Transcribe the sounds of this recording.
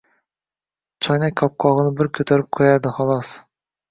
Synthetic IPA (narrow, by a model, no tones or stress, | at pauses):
t͡ʃʰɑjnɛkʲʰːɑp̚qʰɑʁənɨbɪɾkʲʰøt̪ʰæɾɪp̚kʰojæɾd̪ɨχɑlˠɑs